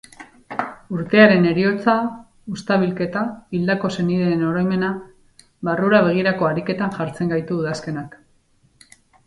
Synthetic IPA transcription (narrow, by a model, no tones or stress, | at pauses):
uɾt̪e̞aɾe̞ne̞ɾio̞t͡sa | ust̪aβ̞ilke̞t̪aild̪ako̞se̞niðeːno̞ɾojme̞na | βaruɾaβ̞e̞ɣ̞iɾako̞aɾike̞t̪anʝaɾt͡se̞ŋɡajt̪uːðaske̞nak